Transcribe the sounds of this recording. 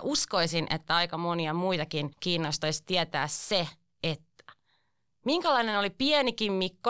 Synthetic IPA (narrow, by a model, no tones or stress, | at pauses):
ʔuskoisinʔḛt̪ːæɑikɑmoniɑmuit̪ɑkinkiːnːost̪oist̪iɛt̪æ̰ːsse | et̪ːæ̥ | miŋkælɑinenolipiɛnikimmikːo